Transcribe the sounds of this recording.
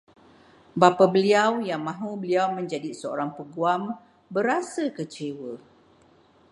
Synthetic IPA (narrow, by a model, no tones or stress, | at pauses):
bapabəliawjaŋmãɦũbəliawmə̃ɲd͡ʒadisəo̰ɾaŋpəɡuam | bəɾasakət͡ʃewə